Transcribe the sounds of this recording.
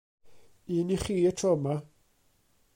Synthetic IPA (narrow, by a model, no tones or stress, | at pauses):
iːniχiːətʰrɔma